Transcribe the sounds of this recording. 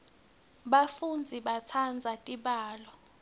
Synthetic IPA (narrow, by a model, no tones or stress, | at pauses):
ɓafund͡zʱiɓat͡sʰand͡zʱatʼiɓaːlɔ